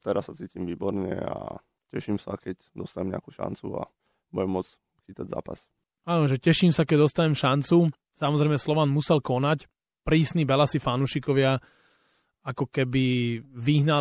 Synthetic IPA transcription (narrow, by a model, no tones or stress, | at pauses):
t̪ɛɾassat͡siːcimʋiːbɔɾɲɛ̰a̰ | cɛʃimsakɛcd̪ɔst̪aɲɛmɲɛ̰a̰kuːʃa̰nt͡sua̰ | bujɛmːɔt͡s | xit̪aɟza̰ːpa̰s | aːnɔʒɛcɛʃimsakɛɟd̪ɔst̪aɲɛmʃant͡su | samɔzɾɛɪmɛslɔʋanmusɛlkɔnac | pɾiːsnibɛlasifanuːʃikɔʋɪa | akɔkɛbiʋiɦna